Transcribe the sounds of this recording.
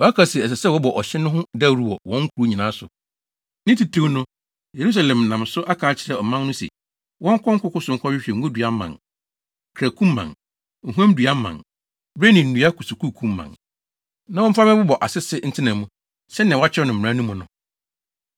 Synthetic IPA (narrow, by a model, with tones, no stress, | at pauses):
wɔ˨a˦kʰa˨si˨ɛ˨s̬ɛ˨sɛ˦˨wɔ˦bɔ˨ʔɔ˨ɕɪ˦nʊ̃˦ɦʊ̃˦da˦˨ɾu˦wɔ˨wɔ̃˦ŋ˦kʰu˨ɾu˦ɲĩ˨nãː˨˦sʊ̰˨ | nɪ̃˦ti˨tʰẽ˦wnʊ̃˦ | je˨ɾu˦s̬a˨lɛ̃˨m˨nã˨msʊ˦ʔa˦kʰaː˨˦t͡ɕʰɪ˨ɾɛ˨ɔ˨mã˦nnʊ̃˦sɛ̰˨ | wɔ̃˦ŋ̩˦kʰɔ̃˦ŋ̩˦kʊ˦kʊ˦sʊ̃˨ŋ̩˦kʰɔ˦ɥᶣɪ˦ɕᶣɛ˨ŋ̩˦ɡʊ˦dɥa˦mːã̰˨n | kʰɾæ˨kʰũ˦mː˦ã̰˨n | ŋ̩˨ɦũ˦ã˦m˦dɥa˦mːã̰˨n | bɾe˦nĩ˨n̩˨nũ˨˦a˦kʰʊ˨sʊ˨kʰu˦˨kʰũ˦mː˦ã̰˨n | nã˦wɔ̃˦fa˦mɪ̃˦bʊ˦bɔ˨ʔa˨sɪ˦sɪ˦n̩˦tʰɪ˦nã˨mũ˦ | sɛ˦nã˨wa˦t͡ɕʰɪ˦ɛ˦nʊ̃˨m̩˨ɾã˦nũ˦mũ˨nʊ̰̃˨